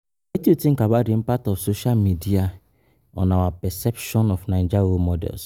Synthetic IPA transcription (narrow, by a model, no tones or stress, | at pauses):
etutĩŋ̩kabaɾim̩patɔfsoʃalmidia | ɔ̰̃nawapɛsɛpʃɔnɔfnaɪd͡ʒaɣomɔdɛ̰ls